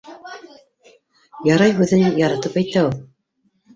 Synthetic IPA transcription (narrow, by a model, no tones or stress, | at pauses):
jɑɾɑjɦʉðɘnjɑɾɑt̪ɤpæjt̪æulˠ